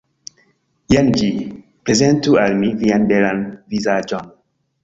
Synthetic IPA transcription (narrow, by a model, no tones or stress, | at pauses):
jand͡ʒi | pɾezentualmivianbelanvizad͡ʒon